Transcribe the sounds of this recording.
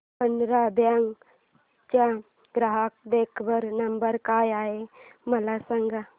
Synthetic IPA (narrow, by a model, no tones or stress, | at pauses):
pənd̪ɾabjaŋɡ | t͡ʃa | ɡɾaɦak̚d̪eːkʰbəɾnɐmbəɾkaːjaːemɐlasəŋɡa